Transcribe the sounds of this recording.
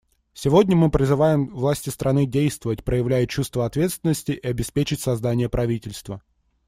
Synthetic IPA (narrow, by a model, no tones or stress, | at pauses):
sʲɪvo̞dʲnʲəmɨpɾʲɪzɨvajɪmvlˠasʲtʲɪst̪ɾʔɐnɨdʲejst̪vəvətʲpɾəjɪvlʲæjət͡ɕust̪vəɐt̪vʲe̞t̪st̪vʲɪnːəsʲtʲɪʔɪɐbʲɪspʲet͡ɕɪtʲsɐzd̪anʲɪjəpɾʔɐvʲitʲɪlʲst̪və